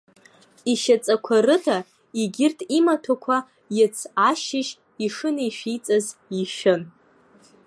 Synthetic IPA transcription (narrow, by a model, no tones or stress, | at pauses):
iʃat͡sʼakʷʰarɨtʰa | iɡʲɪrtʼimatʰakʷʰa | jɪt͡sʰaʃɪʃ | iʂɨnaiʃᶣijt͡sʼaziʃᶣɪn